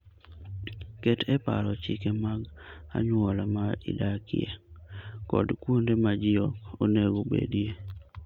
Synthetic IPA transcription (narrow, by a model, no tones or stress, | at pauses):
ketʰɛpa̰ɾɔt͡ʃɪkemaɡa̰ɲʊɔlamaḭdakɪ̰ḛkɔ̰dkwondemad͡ʒɪɔkoneɡobḛdje